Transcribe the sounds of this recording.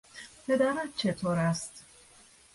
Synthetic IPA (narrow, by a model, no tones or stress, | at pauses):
pʰed̪æɾæt̪̚t͡ʃʰet̪ʰoːɾæst̪